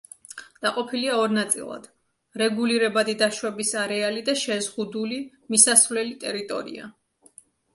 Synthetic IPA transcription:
d̪̥aqʼɔpʰiliaɔɾnat̪sʼḭlˠa̰d̪̥ | ɾɛɡuliɾɛbad̪id̪aʃwɛbisaɾɛalid̪aʃɛzʁud̪uli | misasvlɛlit̪ʼɛɾit̪ʼɔ̰ɾḭa̰

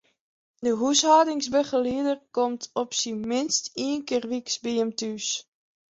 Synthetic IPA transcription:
dəɦushaːdɪŋsbəχəliədərkɔmtʰɔpsimɪnstiənkɪːrʋiksbiəmtyːs

